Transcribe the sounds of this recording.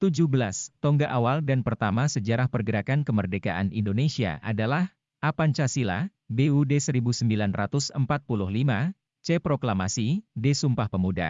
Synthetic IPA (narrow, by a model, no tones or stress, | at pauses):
t̪ud͡ʒʊhbəlast̪ɔŋɡaʔawaldanpərt̪amasəd͡ʒaɾahpərɡəɾakankəmərdeka̰ʔanḭndonesia̰ʔa̰dalah | ʔapant͡ʃasila̰ | beudesəɾibusəmbilanra̰t̪ʊsəmpat̪̚pulʊhlima | t͡ʃepɾoklamasidesumpahpəmuda̰